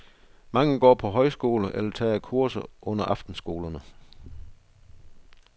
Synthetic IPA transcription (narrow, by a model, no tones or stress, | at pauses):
mɑ̈ŋəɡ̥ɒ̰ːpʰɒ̽ɦɒ̽ɪsɡ̥o̝̰ːləʔelɐt͡sʰɛ̰ːækʰuɐsɐʔɔ̽n̰ɐʔɑ̈fd̥n̩sɡ̥o̝̰ːlɐnə